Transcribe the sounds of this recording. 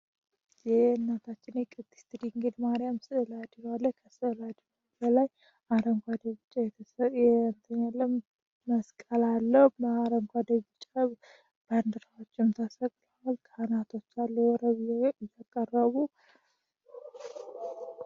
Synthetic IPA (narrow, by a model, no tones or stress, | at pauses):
jɛnːat̪ʰat͡ʃːɪnɛkʼɨd̪i̥st̪ʰɨd̪iŋɡəd̪maɾijamsɨɨlad̪iɡalːəkʰəsɨɨlad̪iabəlaj | ʔaɾəŋkʷʰad̪əβɨt͡ʃʼːajɛt̪ʰjɛnt̪ʰəɲːalːəm | məskʼəlalːəhməaɾəŋkʷad̪əβɨt͡ʃʼa | b̥and̪ɨɾawot͡ʃːɪmt̪ʰəsəkʼləwalkʰanat̪ʰo̞t͡ʃːalːəwɔɾəβjakʼərːəβu